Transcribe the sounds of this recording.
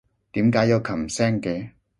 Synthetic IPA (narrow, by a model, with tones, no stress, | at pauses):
t̪iː˨˥mkaː˨˥jɐ˨˧wkʰɐ˨˩m˨sɛː˥ŋkɛː˨˧